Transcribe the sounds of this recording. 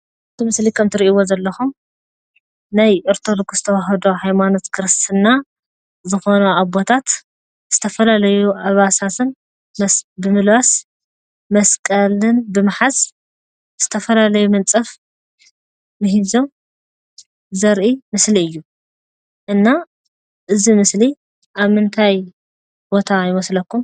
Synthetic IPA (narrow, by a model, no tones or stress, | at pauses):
ʔɨt̪ʰɨmɨslikʰɐmt̪ʰɨɾiʔiwozɐlːɐxum | najʔɐɾt̪ʰolokzɨt̪ʰɐwaɦɐd̪oɦajmano̞t̪kʰɨɾɨst̪ʰɨnːa | zɨxo̞nuʔabot̪ʰat̪ | z̥ɨt̪ʰɐfɐlalɐjuʔaβasat̪ʰɨn | mɐbɨmɨlwas | mɐskʼɐlɨnbɨmaħaz | z̥ɨt̪ʰɐfɐlalɐjumɐnt͡sʼɐf | ɨɦizo̞m | zɐɾʔimɨsliɨjːu | ʔɨnːa | ʔɨzimɨsli | ʔaβmɨnt̪ʰaj | bo̞t̪ʰajɪmɐslɐkːum